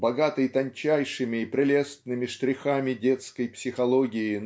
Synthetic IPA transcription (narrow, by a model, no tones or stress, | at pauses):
bɐɡat̪ɨjt̪ɐnʲt͡ɕæjʂɨmʲɪːpɾʲɪlʲestt̪nɨmʲɪʂt̪ɾʲɪxamʲɪdʲet̪skəjpsʲɪxɐlˠoɡʲɪɪn